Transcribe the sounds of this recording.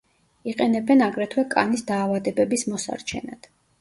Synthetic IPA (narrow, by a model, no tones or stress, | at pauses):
iqʼɛnɛbɛnaɡɾɛt̪ʰwɛkʼa̰nisd̪aːvad̪ɛbɛbismɔsa̰ɾt͡ʃʰɛ̰na̰d̪̥